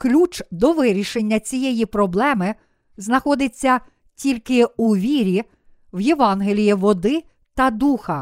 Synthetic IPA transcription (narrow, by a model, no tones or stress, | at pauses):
klʲut͡ʃd̪ɔʋɪɾʲiʃenʲːɐt͡sʲijɛjipɾɔblˠɛmɪ | znɐxɔd̪ɪt͡sʲːɐ | tʲilʲkɪuʋʲiɾʲi | wjeʋɑnɦelʲijiʋɔd̪ɪ | t̪ɐd̪uxɐ